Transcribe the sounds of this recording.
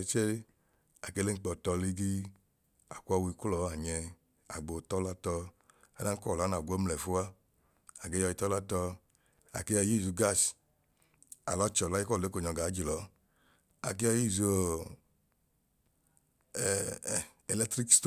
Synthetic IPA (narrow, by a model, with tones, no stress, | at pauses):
e˧t͡ʃe˦ | a˨ke˧le˦ŋ͡m̩˦k͡pɔ˨tɔ˧li˧ɡi˦ | a̰˨kʷɔ˧wi˧ku˦ɔ˨˦a˨ɲɛ˧ | a̰˨ɡ͡bo˨tɔ˦la˦tɔ˧ | a˦da˦n̩˦kɔ˦˨lna˨ɡʷɔ˦mlɛ˨fu˦a˦ | a˨ɡe˦jɔ˧ji˧tɔ˦la˦tɔ˧ | a̰˨ke˦jɔ˧ji˦˨zu˧ɡa˦˨s | a̰˨lɔ˦t͡ʃɔ˨la˨˦i˦kɔ˦˨le˨˦ko˨ɲɔ˨˧˨ɡa˨˦d͡ʒi˨lɔ˨˦ | a̰˨k̬i˦jɔ˧ji˦˨zo˨ | ɛ˨lɛ˦tɾi˦kst